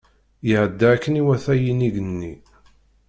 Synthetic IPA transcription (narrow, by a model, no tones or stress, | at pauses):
jəʕəd̪ːaækːəniwæθæjiniɡənːi